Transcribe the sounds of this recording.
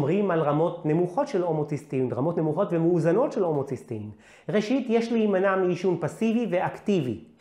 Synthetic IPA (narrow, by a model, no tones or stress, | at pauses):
mʁimalʁamo̞tne̞muχo̞tʃelo̞mot͡sistimʁamo̞tne̞muχo̞tvemeuzano̞tʃelo̞mo̞t͡sistim | ʁeʃitjeʃliːmanamiiʃunpasiviveaktivḭ